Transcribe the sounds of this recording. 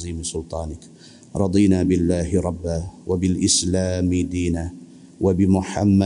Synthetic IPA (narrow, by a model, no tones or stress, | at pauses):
ziːmɪsʊlt̪ˤɑːnɪk | ɾˤɑd̪ˤiːnaːbɪlːaːhɪɾˤɑbːaːwabɪlʔɪslaːmɪd̪iːnaː | wabɪmʊħamːa